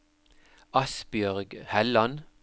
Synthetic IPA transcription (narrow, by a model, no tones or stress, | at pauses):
ɑsbjœʁɡhɛlɑn